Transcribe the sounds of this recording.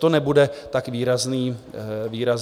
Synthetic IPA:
t̪onɛbudɛt̪akviːɾazniːviːɾaz

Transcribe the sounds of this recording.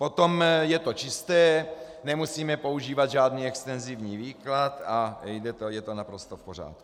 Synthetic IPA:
po̞t̪o̞mjɛt̪o̞t͡ʃɪst̪ɛːnɛmusiːmɛpo̞uʒiːvad̪ʒaːd̪niːɛkst̪ɛnzivɲiːviːklat̪ajdɛt̪ojɛt̪onapɾost̪ofpor̝a̰ːt̪ku̥

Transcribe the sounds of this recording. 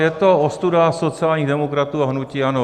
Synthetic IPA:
jɛt̪oost̪udaso̞t͡sɪaːlɲiːɣdɛmokɾat̪uːaɦnuciːano

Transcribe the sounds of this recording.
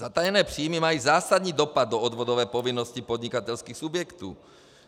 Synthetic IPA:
at̪ajɛnɛːpr̝̥iːmimajiːzaːsad̪ɲiːd̪ɔpad̪̚ːɔɔd̪ʋɔd̪ɔʋɛːpɔvinːɔscipɔd̪ɲikat̪ɛlskiːxsubjɛkt̪ṵː

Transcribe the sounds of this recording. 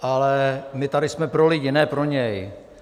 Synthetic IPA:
ʔalɛmɪt̪aɾɪsmɛpɾolɪjɪnɛːpɾo̞ɲɛj

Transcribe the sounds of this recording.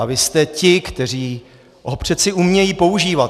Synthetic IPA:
avɪst̪ɛcɪkt̪ɛr̝iː | ʔopr̥ɛsɪʔumɲɛjiːpo̞uʒiːvat̪

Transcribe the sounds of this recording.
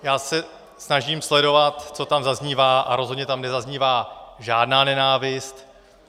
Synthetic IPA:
jaːsɛ | snaʒiːmslɛdo̞vat̪t͡so̞t̪amzazɲiːvaːʔaɾo̞zɦodɲɛt̪amnɛzazɲiːvaːʒaːdnaːnɛnaːvɪst̪

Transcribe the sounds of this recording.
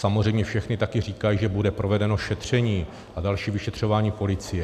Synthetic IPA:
samozr̝ɛjmɲɛfʃɛxnɪt̪akɪr̝iːkajiʒɛbudɛpɾo̞vɛdɛno̞ʃɛt̪r̝̥ɛɲiː | ʔadalʃiːvɪʃɛt̪r̝̥o̞vaːɲiːpo̞lɪt͡sɪjɛ

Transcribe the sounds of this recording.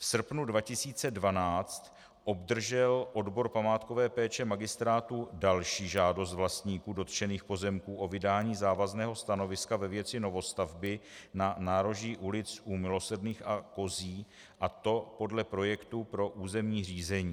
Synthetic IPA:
fsr̩pnudvacɪsiːt͡sɛdvanaːt͡st̪ | ʔo̞bdr̩ʒɛlʔo̞dbo̞ɾpamaːt̪ko̞vɛːpɛːt͡ʃɛmaɡɪst̪ɾaːt̪udalʃiːʒaːdo̞s̬t̪vlast̪ɲiːkuːdo̞t̪t͡ʃɛniːxpo̞zɛmkuːʔo̞vɪdaːɲiːzaːvaznɛːɦo̞st̪ano̞vɪskavɛvjɛt͡sɪno̞vo̞st̪avbɪnanaːɾoʒɲiːʔulɪt͡sʔumɪlo̞sr̩dniːxako̞ziː | ʔat̪o̞po̞dlɛpɾo̞jɛkt̪upɾo̞ʔuːzɛmɲiːr̝iːzɛɲiː

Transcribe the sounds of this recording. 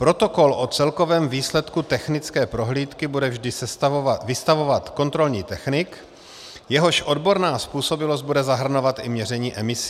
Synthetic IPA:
pɾo̞t̪o̞kolʔo̞t͡sɛlko̞vɛːmviːslɛt̪kut̪ɛxnɪt͡skɛːpɾo̞ɦliːt̪kɪbudɛvʒdɪsɛst̪avɪst̪avo̞vat̪ko̞nt̪ɾo̞lɲiːt̪ɛxnɪk | jɛɦo̞ʃʔo̞dbo̞ɾnaːspuːso̞bɪlozd̪̚budɛzaɦr̩no̞vat̪ʔɪmɲɛr̝ɛɲiːʔɛmɪsi̥

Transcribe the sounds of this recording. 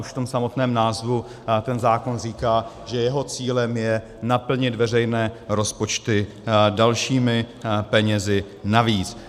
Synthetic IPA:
uʃft̪o̞msamo̞t̪nɛːmnaːzvu | t̪ɛnzaːko̞nr̝iːkaː | ʒɛjɛɦo̞t͡siːlɛmjɛ | napl̩ɲɪt̪vɛr̝ɛjnɛːɾo̞spo̞t͡ʃt̪ɪ | dalʃiːmɪ | pɛɲɛzɪ | naviːt͡s

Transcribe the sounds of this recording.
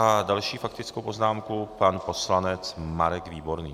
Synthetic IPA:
adalʃiːfakt̪ɪt͡skowpo̞znaːmkupanpo̞slanɛt͡smaɾɛɡviːbo̞ɾnḭː

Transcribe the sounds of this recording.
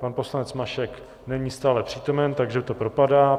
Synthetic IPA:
panpo̞slanɛt͡smaʃɛk | nɛɲist̪aːlɛpr̝̥iːt̪o̞mɛnt̪aɡʒɛt̪o̞pɾo̞padaː

